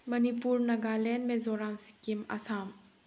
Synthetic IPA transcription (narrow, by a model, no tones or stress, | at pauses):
mɐnipuɾnɐɡalenmezɔɾamsi̥kimɐ̰sam